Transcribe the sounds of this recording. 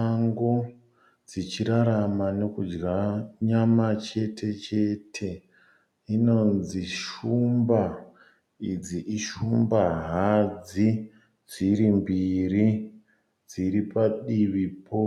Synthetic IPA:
aŋɡo | d͡zit͡ʃiɾaɾamanekud͡ʒɡaɲamat͡ʃe̞tʰe̞t͡ʃe̞tʰe̞ | ino̞nziʃumba | id͡ziʔiʃumbaɦad͡zi | d͡ziɾimbiɾi | d͡ziɾipaɗiʋipʰo

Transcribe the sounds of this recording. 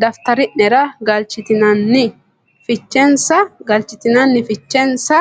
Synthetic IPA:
d̪ɐft̪ɐɾɪʔnɛɾɐɡɐlt͡ʃɪt̪ɪnɐnːɪ | fɪt͡ʃːɛnsɐɡɐlt͡ʃɪt̪ɪnɐnːɪfɪt͡ʃːɛnsɐ

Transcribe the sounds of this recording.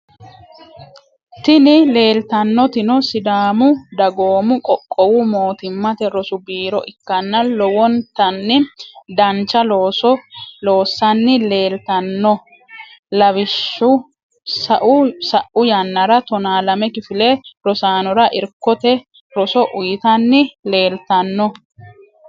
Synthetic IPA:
t̪ɪnɪle̞ːlt̪ɐnːɔt̪ɪnɔsɪd̪aːmʊd̪ɐɡo̞ːmʊkʼɔkʼːɔwʊmo̞ːt̪ɪmːɐt̪ɛɾɔsʊbiːɾɔ̰ʔɪkːɐnːɐlɔwɔnt̪ɐnːɪd̪ɐnt͡ʃːɐloːsɔlo̞ːsːɐnːɪleːlt̪ɐnːɔ | lɐβɪʃːʊ | sɐʔʊsɐʔʊjɐnːɐɾɐt̪ɔnaːlɐmɛkɪfɪleɾɔsaːnɔɾɐʔɪɾkːɔt̪ɛ | ɾɔsɔʔʊjɪt̪ɐnːɪle̞ːlt̪ɐnːɔ

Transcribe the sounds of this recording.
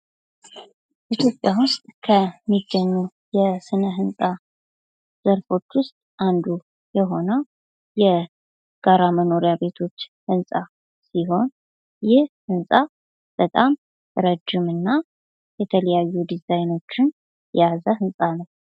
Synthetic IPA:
ʔit̪ʰjo̞pʼjawʊst̪ʼkʰəmːiɡːəɲːu | jɛsɨnəɦɨnsʼa | z̥əɾfo̞t͡ʃːwʊst̪ʼʔand̪u | jɛɦo̞nəw | jɛ | ɡ̥aɾaməno̞ɾjabe̞t̪ʰo̞t͡ʃːhɨnsʼa | siɦo̞n | jɪhhɨnsʼa | b̥ət̪ʼam | ɾəd͡ʒːɪmɨnːa | jɛt̪ʰələjajːud̪izajno̞t͡ʃːɪn | jɛjazəɦɨnsʼanəw

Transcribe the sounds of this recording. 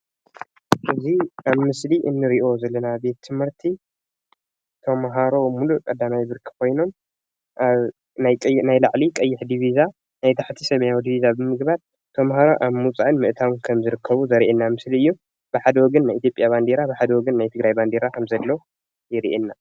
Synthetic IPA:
ʔɨziʔaβmɨsliʔɨnːɨɾiʔo̞zɐlːɐnabe̞t̪ʰːɨmhɨɾt̪ʰi | t̪ʰomɦaɾo̞mulukʼɐd̪ːamajbɨɾkʰi̥kʰo̞jno̞m | ʔaβ | najkʼnajlaʕlikʼɐjːɪħd̪iβiza | najt̪ʰaħt̪ʰisɐmɐjawd̪iβizabɨmɨɡbaɾ | t̪ʰomɦaɾoʔaβmut͡sʼaʔɨnmɨʔt̪ʰawnkʰɐmzɨɾɨkʰːɐβuzɐɾiʔenːamɨsliɨjːu | b̥ɨħad̪ɐwɔɡɐnːajʔit̪jo̞pʼjaβand̪eɾabɨħad̪ɐwɔɡɐnːajt̪ʰɨɡɾajband̪eɾakʰɐmzɐlːo̞ | jɪɾiʔenːa

